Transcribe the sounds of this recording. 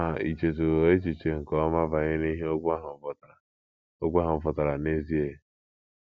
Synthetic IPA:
a˨i˨t͡ʃe˨t̬u˨ɣo˨e˦t͡ʃi˨t͡ʃe˨ŋ̩˨kɔ˦ma˦va˨ɲe˦ni˦ɦe˦ɦ | o˦ɡʷa˦ɦʊ˨fɔ˨ta˨ɾa˨ne˦zi˦e˨

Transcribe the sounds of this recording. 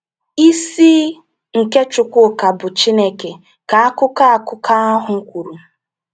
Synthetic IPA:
i˦siː˦ | ŋ̩˨ke˦t͡ʃʊ˨kʷʊ˦˨ka˨bʊ˨t͡ʃi˦ne˦ke˨ | ka˨a˦kʊ˦ka˦a˨kʊ˦kʰa˦a˦ɦʊ˨ŋ̩˦kʷu˨ɾu˨

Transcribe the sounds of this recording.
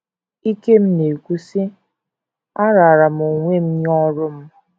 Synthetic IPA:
i˦ke˦m̩˦ne˨kʷu˦sɪ˦ | a˦ɾa˨a˨ɾa˨m˨o˨ŋʷe˦m̩˦ɲ˦ɔ˦ɾʊ˦m̩˦

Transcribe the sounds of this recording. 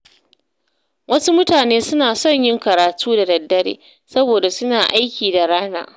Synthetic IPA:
wɐ˦su˦mʊ˦taː˨neː˦sʊ˦naː˨sɔ˦˨ɲjɪ˦ŋkɐ˨ɾaː˨tʰuː˦da˨dɐ˨dːɐ˦ɽḛː˨ | sɐ˦boː˨da˨sʊ˦naː˨ʔa˦jkʲiː˨da˨ɽaː˦na̰ː˦

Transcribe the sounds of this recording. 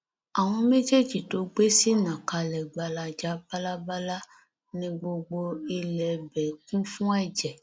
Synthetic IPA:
a˨w̃ɔ̃˧me˦d͡ʒe˦˨d͡ʒi˨to˨˦ɡ͡be˦si˦nã˨ka˧lɛ˨ɡ͡ba˧la˧d͡ʒa˨˦ba˦la˦ba˦la˦ | nĩ˧ɡ͡bo˧ɡ͡bo˧i˧lɛ˨bɛ˨˦kũ˦fũ˦ɛ˦˨d͡ʒɛ˨

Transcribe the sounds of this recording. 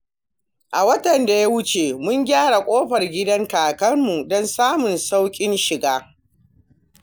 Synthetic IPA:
ʔa˨wɐ˦tɐ˨nda˨ja˦wʊ˦t͡ʃe˨mʊ˦ŋɡʲaː˦ɽa˨kʷʼoː˦ɸɐ˨rɡʲɪ˦dɐ˦ŋkaː˨kɐ˦rmu˨dɔ˦nsaː˦mʊ˨nsa˦wkʲʼɪ˦nʃɪ˨ɡaː˦

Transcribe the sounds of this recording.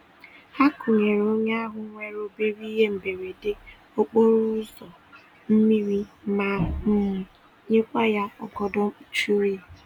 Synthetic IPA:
a˦kʊ˨ɲe˨ɾo˦ɲe˦a˦ɦʊ˨ŋʷe˦ɾo˦be˦ɾi˦ɦe˦m̩˨be˨ɾe˨dɪ˦ | o˦k͡po˦ɾu˦zɔ˨ | m̩˦mi˦ɾi˦ma˨m̩˦m̩˨ | ɲe˦kʷa˦ja˦ɔ̰˨ɡɔ˦dɔ˦m̩˦t͡ʃu˦ɾi˦

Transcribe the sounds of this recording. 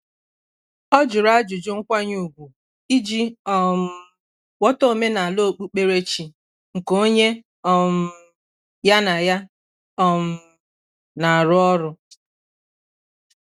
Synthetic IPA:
ɔ˦d͡ʒʊ˨ɾa˦d͡ʒʊ˨d͡ʒʊ˦ŋ̩˦kʷa˦ɲu˨ɡʷu˨ | i˦d͡ʒi˦ɔ˦m̩˦ | wɔ˦to˦o˦˨me˦na˨a˨lo˦˨k͡pu˦k͡pe˦ɾe˦t͡ʃi˨ | ŋ̩˨ko˦ɲe˦ | ɔ˦m̩˦ | ja˦na˨ja˦ | ɔ˦m̩˦ | na˨a˨ɾʊ˦ɔ˦ɾʊ˦

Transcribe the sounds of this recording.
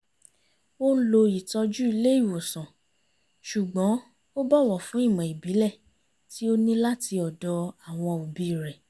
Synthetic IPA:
wo˦n̩˦lo˧i˨tɔ˧d͡ʒu˦i˧le˦i˦˨wo˨sã˨ | ʃu˨ɡ͡bɔ̃˨˦ | o˦bɔ˦˨wɔ˨fũ˨˦i˦˨mɔ̃˨i˨bi˨˦lɛ˦˨ | ti˨˦o˦nĩ˦la˦ti˧ɔ˨dɔ˧a˨w̃ɔ̃˧o˨bi˧˨ɾɛ˨

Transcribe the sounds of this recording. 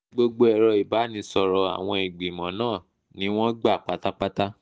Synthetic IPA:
ɡ͡bo˧ɡ͡bo˧ɛ˨ɾɔ˧i˨ba˨˦nĩ˨˦sɔ˧ɾɔ˧a̰˨w̃ɔ̃˧i˨ɡ͡bi˨mɔ̃˨˦nãː˦˨ | nĩ˨˦w̃ɔ̃˦ɡ͡ba˦˨k͡pa˦ta˦k͡pa˦ta˦

